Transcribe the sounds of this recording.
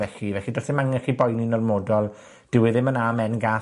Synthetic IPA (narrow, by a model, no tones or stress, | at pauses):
ɛɬivɛɬidɔθɪmaŋɛχibɔjninɔrmoːdɔlˠ | d̥ɪwɪðɪmənamɛnɡa